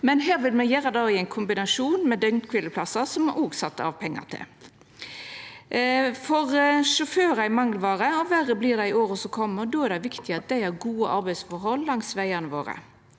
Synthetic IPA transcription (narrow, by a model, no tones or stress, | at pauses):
mɛnɦæːɾʋɪlmɛjæːɾɑd̪ɑːɪæɪnkʰʊmbɪnɑʂuːnmɛd̪œŋkʰʋɪləpʰlɑsɑsɔmɑʔoːɡsɑt̪ːɑ̰ʋpʰɛŋːɑ̰t̪ʰɪ̰l | fɔʁʂʊføːɾɑɪmɑŋːlʋɑːɾəɔʋæɾəblɪːɾd̪æɪɪoːɾəsɔkʰɔmːəɾd̪oːæʁɾd̪æɪʋɪkt̪ɪɑt̪̚d̪æɪæɾɡuːəʔɑɾbæɪsfɔɾɦɔlːɑŋsʋæɪɑnəʋo̰ːɾə̰